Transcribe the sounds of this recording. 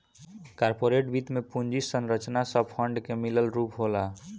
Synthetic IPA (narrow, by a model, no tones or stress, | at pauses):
kaɾpoɾeʈbit̪mepund͡ʒisənɾət͡ʃnasəb̚pʰəɳɖkemiləlɾupɦola